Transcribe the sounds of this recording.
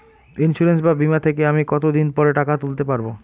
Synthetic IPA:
insuɾensbabimat̪ʰekeamikɔt̪od̪inpɔɾeʈakat̪ult̪epaɾbo

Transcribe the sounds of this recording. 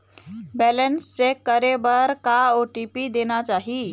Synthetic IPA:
bɛlənst͡sekəɾebəɾkaoʈipid̪enat͡ɕaɦi

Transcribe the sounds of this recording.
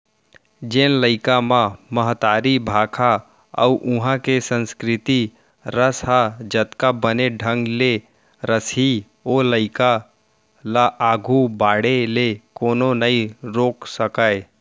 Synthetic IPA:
d͡ʒeːnləɪkamãməɦt̪aːɾibʱaːkʰa | ə̰uʔʊɦãkesə̃nskɾɪt̪i | ɾəsɦad͡ʒət̪kabəneɖʱə̃ŋɡle | ɾəsi | oːləɪka | laʔaːɡʱubaːɽelekoːnonəiɾoːksəkae

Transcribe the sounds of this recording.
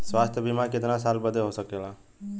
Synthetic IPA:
swaːst̪ʰəbimakɪt̪nasaːlbəd̪eɦosəkela

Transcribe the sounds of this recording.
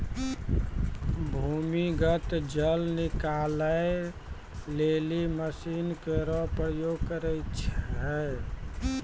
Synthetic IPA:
bʱumiɡət̪d͡ʒəlnikaləe | leliməsinkeɾɔpɾəjoɡkəɾəjt͡ʃʰɦɛ

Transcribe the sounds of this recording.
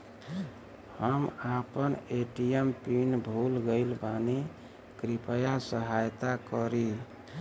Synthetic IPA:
həmapəneʈijempinbʱulɡəɪlbane | kɾipəjasəɦajt̪akəɾi

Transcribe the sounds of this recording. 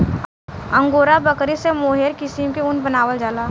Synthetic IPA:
ə̃ŋɡoːɾabɐkɾisemoːɦeːɾkɪsimkeʊnbənaːʋəld͡ʒaːlaː

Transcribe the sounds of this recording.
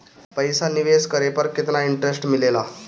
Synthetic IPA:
pəjsaniʋeskəɾepəɾket̪naiɳʈɾesʈmilela

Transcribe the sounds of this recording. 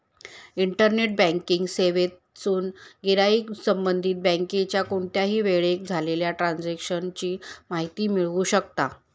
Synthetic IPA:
iɳʈəɾneʈ̚bɛ̃ŋkiŋɡseʋet̪ | t͡suːnɡeɾaisəmbənd̪ʱiːt̪̚bɛ̃ŋket͡ɕjakoɳʈjaɦiːʋeɭek̚d͡zʱaleljaʈɾand͡zekɕənt͡ɕiːmaɦit̪iːmiɭʋuːɕəkt̪a

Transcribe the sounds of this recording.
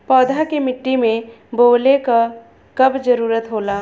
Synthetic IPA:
pɔːd̪ʱakemɪʈːimẽ | boːleka | kɐbd͡ʒəɾuːɾət̪ɦoːlaː

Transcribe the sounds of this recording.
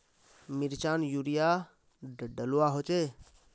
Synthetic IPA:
miɾt͡ʃanjuɾija | ɖəluaɦot͡ʃe

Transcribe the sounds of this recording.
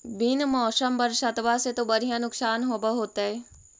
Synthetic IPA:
bɪnmɔːsəmbəɾʃət̪ʋaset̪obɐɾʱijãnʊksaːnɦoːbəɦoːt̪aɦɛː

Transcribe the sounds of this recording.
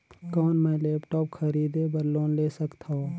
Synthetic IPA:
kɔːnmɛ̃leːpʈɔːp̚kʰəɾiːd̪ebəɾloːnleːsəkt̪ʰao

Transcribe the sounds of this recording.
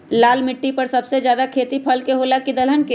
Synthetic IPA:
laːlmɪʈːipɐɾsɐbsezjaːd̪akʰeːt̪ipʰɐlkeɦoːlakid̪əlɦənke

